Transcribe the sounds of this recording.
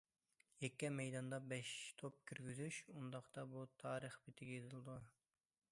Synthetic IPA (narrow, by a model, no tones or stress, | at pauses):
jɛkʲːɛmɛjd̪ɑnd̪ɑbɛʃt̪ʰop̚kʲʰyɾɡʲyzyʃund̪ɑqt̪ɑbut̪ʰɑːɾəχbɪt̪ʰɪɡʲɛet̪ʰɨlˠd̪u